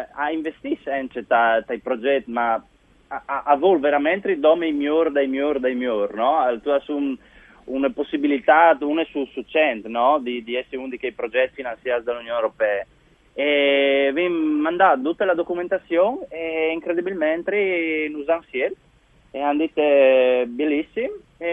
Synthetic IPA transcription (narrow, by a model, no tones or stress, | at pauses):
aiɱvest̪isɛnt͡ʃet̪at̪aipɾod͡ʒɛt̪ːma | aaʔavolveɾamɛnt̪ɾid̪ɔmijmjoɾd̪ajmjoɾd̪ajmjoɾnɔt̪uasun | unposːibilit̪at̪unɛsusut͡ʃɛnt̪nɔd̪id̪iɛsːeund̪ikejpɾod͡ʒɛt̪ːfinansjasd̪alunjoneɾopɛː | eviŋːand̪ad̪ut̪ːelad̪okument̪asjoŋeiŋkɾed̪ibilmɛnt̪ɾinuzaŋsjɛl | eand̪it̪ːebelisːim